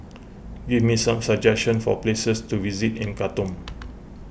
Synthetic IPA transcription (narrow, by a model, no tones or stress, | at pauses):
wimedsãmsad͡ʒɛkʃə̃nfɔ̰plesəstuvizitĩnkatɔ̃m